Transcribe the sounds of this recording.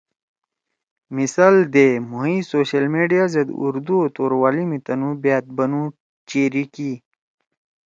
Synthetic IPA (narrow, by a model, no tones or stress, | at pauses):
misaːld̪emuɦĩsoːɕɐlmeːɖijazɐd̪ṵɾd̪uot̪oːɾwaːlimit̪ɐnũbaːt̪̚bɐnũ | t͡ɕeːɾiki